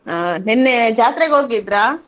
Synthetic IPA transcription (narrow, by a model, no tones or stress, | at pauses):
anɛnːed͡ʒaːt̪ɾeɡɦoːɡid̪ɾaː